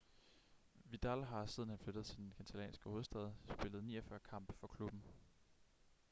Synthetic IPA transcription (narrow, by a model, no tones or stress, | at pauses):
ʋid̥ælɦɑ̈sið̞ˠn̩hænfløɾ̥ð̩ˠt͡sʰed̥enkʰænt͡sʰælɛ̰ːnsɡ̥əho̝ːð̞̩ˠsd̥ɛð̞̰ˠsb̥e̝ləð̩ˠnḭːɒfɶɐkʰɑ̈m̰b̥ə̥fɒ̽kʰlub̥n̩